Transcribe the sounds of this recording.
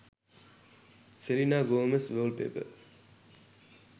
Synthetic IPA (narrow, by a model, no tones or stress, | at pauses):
seɾinaːɡoːəmesʋəːlpḛːpə̰